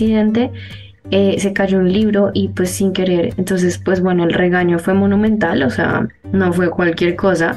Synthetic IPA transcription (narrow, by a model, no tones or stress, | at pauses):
iðẽnt̪e | ese̞kaʝounliβɾo̞ʔipwesːiŋke̞ɾeɾent̪o̞ns̬e̞spwe̞zbwe̞noelreɣaɲo̞fwe̞monũmẽnt̪alosḛa̰ | no̞fwe̞kwalkje̞ɾkosa